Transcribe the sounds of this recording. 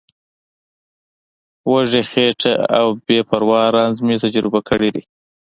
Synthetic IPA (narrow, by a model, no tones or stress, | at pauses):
waʐexeʈaa̰wbepaɾwɑɾɑnzmit̪ad͡ʒɾɪbakəɽid̪i